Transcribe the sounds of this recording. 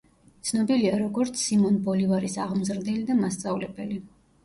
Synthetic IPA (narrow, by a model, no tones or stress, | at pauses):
t̪sʰnɔbiliaɾɔɡɔɾt̪sʰːimɔnbɔlivaɾisaʁmzɾd̪ɛlid̪amast̪sʼavlɛbɛli